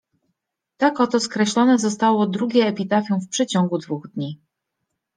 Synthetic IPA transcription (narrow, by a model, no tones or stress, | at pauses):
t̪akɔt̪ɔskɾɛɕlɔnɛzɔst̪awɔd̪ɾuɡʲɛːpʲit̪afʲjɛ̃fpʂɛt͡ɕɔŋɡud̪vuɣd̪ɲi